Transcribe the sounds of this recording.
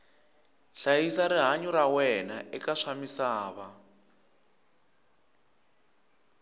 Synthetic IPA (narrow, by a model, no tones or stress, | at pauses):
ɬajisaɾiɦaɲuɾawɛnaʔɛkaʂamisaːβa